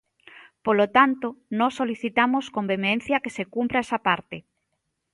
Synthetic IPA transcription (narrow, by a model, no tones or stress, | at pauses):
polot̪ant̪onɔsːoliθit̪amoskombemen̟θjakesekumpɾaɛsapaɾt̪eɪ